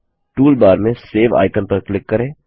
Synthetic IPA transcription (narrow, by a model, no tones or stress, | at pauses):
ʈuːlbaːɾmẽseːʋa̰ːɪkənpəɾklɪkːɐɾẽː